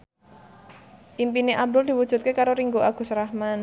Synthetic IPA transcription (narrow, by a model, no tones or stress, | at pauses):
ʔimpineʔab̚d̪ʊld̪i̤wudʒ̥ṳt̪̚kekaɾoɾiŋɡoʔaɡ̥ṳsɾahman